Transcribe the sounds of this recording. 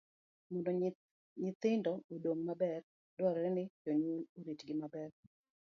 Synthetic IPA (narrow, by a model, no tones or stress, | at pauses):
mɔndo | ɲɪt̪ɪndɔodoŋmabɛr | dɔɾɛɾɛnɪt͡ʃoɲwonoɾitɡɪmabɛr